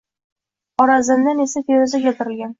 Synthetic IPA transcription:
ɒɾazɪnd̪anesat̪ʰeɾɪzakʲat̪ʰɪɾɪlɡʲan

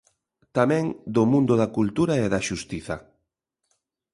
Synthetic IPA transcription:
t̪amɛ̃ŋd̪ʊmũnd̪ʊðakult̪uɾaeðaʃust̪iθɐ

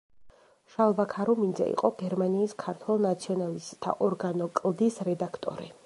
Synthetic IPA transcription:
ʃalˠvakʰaɾɔmind̪zɛ̰ḭqʼɔɡɛɾmaniːskʰaɾt̪ʰwɛlˠnat̪sʰiɔnalist̪ʼt̪ʰa̰ʔɔɾɡanɔkʼlˠd̪isɾɛd̪akʰt̪ʼɔ̰ɾḭ

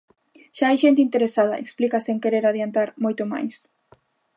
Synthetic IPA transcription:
ʃaajʃent̪̬ɪint̪eɾesað̞ɐʔḛksplikasẽŋkeɾeɾaðjant̪aɾmojt̪oma̰js

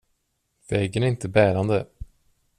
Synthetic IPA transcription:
vɛɡənæɾɪnt̪əbæːɾand̪ə

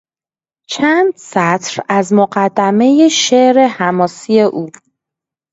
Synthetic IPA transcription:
t͡ʃʰæːnd̪̥sæt̪ʰɾæzmoɢæd̪ːæme̞jeʃeʔɾe̞hæmɒːsie̞ʔuː

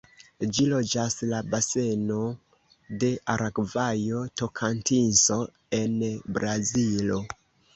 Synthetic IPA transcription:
d͡ʒilo̞d͡ʒaslabase̞no̞ | de̞ʔaɾʔakvajo̞to̞kʰantinso̞ | e̞nbɾazilo

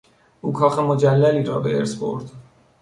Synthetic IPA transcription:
ʔuːkʰɒːxemod͡ʒælːæliːɾɒːbeʔḛɾsbo̰ɾd̪

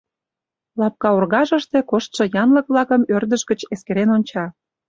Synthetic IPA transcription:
lɑp̚kɑurɣɑʒə̆ʃt̪ekoʃt̪ʃɤ̆jɑnlək̚βlɑkəmørd̪əʃɡə̆t͡ɕeskeɾenonʲt͡ɕɑ

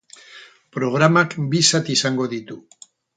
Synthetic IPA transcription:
pɾo̞ɣ̞ɾamakbisat̪isaŋɡo̞ðit̪u

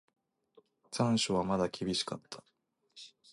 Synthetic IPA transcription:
t͡sãɰ̃ɕoβ̞amad̪akʲibʲiɕi̥kat̪ʰːḁ

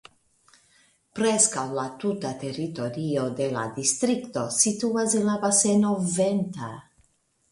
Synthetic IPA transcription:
pɾeskawlat̪ut̪at̪eɾit̪oɾiod̪ela̰d̪ist̪ɾikt̪o̞sit̪uazenlabasenovent̪a

